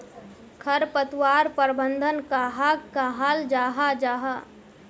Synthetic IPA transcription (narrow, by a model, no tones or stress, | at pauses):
kʰəɾpət̪waːɾpəɾbənd̪ʱənkaɦakːaɦaːld͡ʒaːɦad͡ʒaːɦa